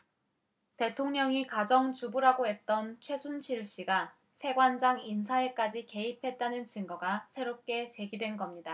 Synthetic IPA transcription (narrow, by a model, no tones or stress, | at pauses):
te̞tʰoŋɲʌŋikad͡ʑʌŋt͡ɕubuɾaɡoɦe̞t̚t͈ʌnt͡ɕʰwe̞sʰunɕʰiɭɕ͈iɡa | sʰe̞ɡwand͡ʑaŋinsʰae̞k͈ad͡ʑike̞ipʰe̞t̚t͈anɯnt͡ɕɯŋɡʌɡasʰe̞ɾop̚k͈e̞t͡ɕe̞ɡidwe̞nɡʌmɲida